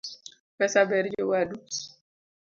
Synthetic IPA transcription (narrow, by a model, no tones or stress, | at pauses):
pɛsabɛɾd͡ʒowadu